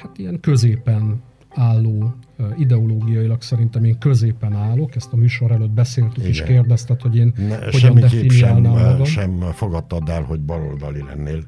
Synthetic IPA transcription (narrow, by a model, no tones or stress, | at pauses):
hat̪ijɛŋkø̞zeːpɛn | aːlːoːid̪ɛoloːɡijɒjilɒksɛɾint̪ɛmeːŋkø̞zeːpɛnaːlo̞kɛst̪ɒmyːʃo̞ɾɛlød̪̚bɛseːlt̪ykeʃkeːrd̪ɛst̪ɛt̪ho̞ɟeːnnhoʃɛnidɛfinijaːlnaːmːɒɡɒmʃɛmfoɡɒt̪ːɒd̪ɛlho̞ɟbɒɾo̰ld̪ɒlilɛ̰nːeːl